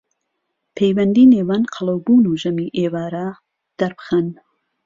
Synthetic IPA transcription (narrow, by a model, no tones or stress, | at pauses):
pʰejwɐnd̪iːneːwanqʰɑlˠɐwbuːnuːʒɐmiːʔeːwaːɾa | d̪̥ɐɾbɨ̥xɐn